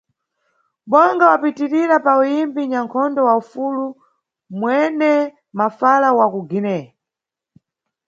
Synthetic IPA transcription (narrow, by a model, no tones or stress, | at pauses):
ɓɔŋɡawapitiɾiɾapaujimbiɲaŋkʰɔndɔwaufulu | mwɛnɛ | mafalawakuɡinɛ